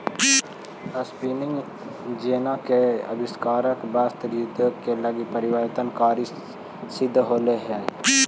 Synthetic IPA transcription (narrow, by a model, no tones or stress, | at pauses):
əspiːnɪ̃ŋɡ | d͡ʒeːnakeɐ̰bɪskaːɾəkbast̪ɾud̪ʱkelɐɡipɐɾɪwəɾt̪ənkaːɾi | sɪd̪ʱːɦoːleɦɛː